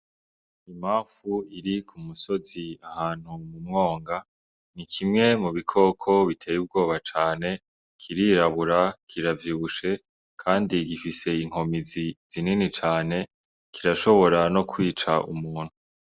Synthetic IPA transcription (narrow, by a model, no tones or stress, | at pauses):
imaːɱfuiɾikʰumuso̞ziahaːn̥humumŋo̞ːŋɡa | nikʰimŋe̞muβikʰo̞ːkʰo̞βitʰe̞ːjub̚ɡo̞ːβat͡ʃaːne̞ | kʰiɾiɾaβuɾakʰiɾavjuːβuʃe̞ | kʰaːndiɡifise̞iŋ̥o̞miziz̥ininit͡ʃaːne̞ | kiɾaʃo̞βo̞ɾano̞kʰwiːt͡ʃaʔṵmuːn̥hu